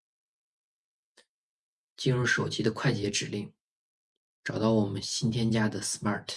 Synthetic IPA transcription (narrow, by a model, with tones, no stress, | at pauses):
t͡ɕi˥nɻu˥˩ʂo˨˩ʊt͡ɕi˥d̪ə˧kʰwa˥˩ɪt͡ɕjɛ˧˥ʈ͡ʂɻ̩˨˩li˥˩ŋ | ʈ͡ʂɑ˨˩ʊt̪ɑ˥˩ʊwɔ˨˩mə˦nɕi˥nt̪ʰjɛ˥nt͡ɕja˥d̪ə˨sma˥˩t̪ʰ